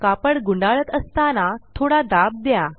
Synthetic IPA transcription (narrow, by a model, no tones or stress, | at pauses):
kapəɽɡuɳɖaɭət̪əst̪anat̪ʰoɽad̪ab̚d̪ja